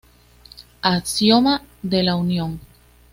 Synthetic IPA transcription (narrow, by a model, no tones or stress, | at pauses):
asjomaðelaunjõŋ